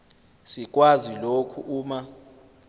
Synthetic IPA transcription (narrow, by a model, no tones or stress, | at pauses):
sik̬ʼwazilokʰuʔuːma